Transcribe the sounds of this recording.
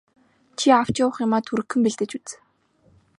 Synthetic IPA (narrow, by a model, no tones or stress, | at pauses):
t͡ɕʰiaw̥t͡ɕʊwə̆χjʊmaːt̪ʰuɾɘ̆kːɵ̆mpiɮt̪ɘ̆t͡ɕut͡s